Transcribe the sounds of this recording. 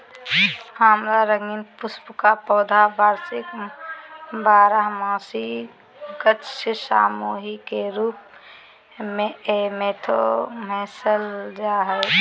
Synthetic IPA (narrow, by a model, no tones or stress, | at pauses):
hamɾaɾəŋɡinpʊspkapɔːd̪ʱabaːɾsɪk | baːɾaɦmaːsi | kətʃsa̰ːmoːɦikeɾuːp̚ | mẽemeːt̪ʰo̰mɛːsəld͡ʒaːɦɛɪ